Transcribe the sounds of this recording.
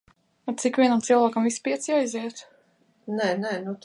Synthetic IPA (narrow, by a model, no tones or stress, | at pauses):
at̪sikvʲiɛnamt̪silˠvaːkamvisːpiɛt̪sjaiziɛt̪ | nɛnɛnut̪